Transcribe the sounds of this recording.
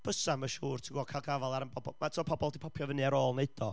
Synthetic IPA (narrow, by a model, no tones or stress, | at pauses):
b̥əsaməʃuːrtʰiɡɔkʰajlˠɡavalˠaɾənbʰɔbɔmatʰiɔpʰɔbɔlˠdipʰɔpʰjɔvənɨaɾoːlˠneɨd̥ɔ